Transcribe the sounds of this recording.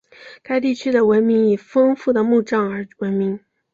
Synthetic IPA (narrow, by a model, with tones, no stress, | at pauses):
ka˥˧ɪt̪i˥˩t͡ɕʰy˥d̪ə˨wə˧˥nmi˧˥ŋi˨˩fɤ˥ŋfu˥˩d̪ə˩mu˥˧ʈ͡ʂɑ˥˩ŋə˞˧˥wə˧˥nmi˧˥ŋ